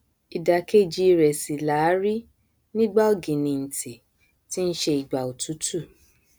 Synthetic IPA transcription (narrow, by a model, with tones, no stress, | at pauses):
i˨da˨ke˦˨d͡ʒi˧ɾɛ˨si˨la˨˦ɾi˦ | nĩ˦ɡ͡ba˦o˦˨ɡĩ˨nĩ˧n̩˨ti˨ | ti˦n̩˦ʃe˧i˨ɡ͡ba˨o˨tu˨˦tu˦˨